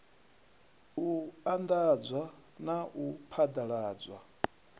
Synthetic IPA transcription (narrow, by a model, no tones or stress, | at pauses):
uand̪ad͡zwa | naʔupʰad̪aɺaːd͡zʷwa